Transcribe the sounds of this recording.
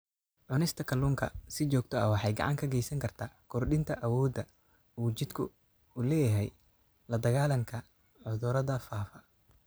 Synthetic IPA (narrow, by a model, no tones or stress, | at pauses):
ʕʊnɪst̪ʰɐkʰɐluːŋkʰɐ̰sɪt͡ʃɔːɡ̚t̪ʰɔɐwɑħɑjɡɑ̰ʕɑ̰ŋkʰɐɡɛjsɐŋkʰɐrt̪ʰaːkʰɔrɖɪnt̪ʰɐʔɐwɔːd̪ɐ | uːt͡ʃɪd̪kʰʊ | ʊlɛːjɐɦɛ̰j | lɐd̪ɐɣaːlɐŋkʰɐ | ʕʊðʊɾɐðɐfaːfɐ